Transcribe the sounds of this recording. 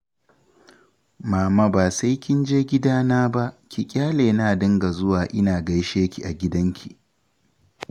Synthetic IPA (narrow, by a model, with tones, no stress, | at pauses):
maː˨ma˦baː˨sa˦jkʲɪ˦nd͡ʒeː˦ɡʲɪ˦daː˦naː˦ba˦ʔkʲi˨kʲʼaː˦leː˨naː˨dɪ˦ŋɡa˨zʊ˦waː˨ʔɪ˦naː˨ɡɐ˦jʃeː˦kʲi˨ʔa˨ɡʲɪ˦dɐ˦ŋkʲi˨ʔ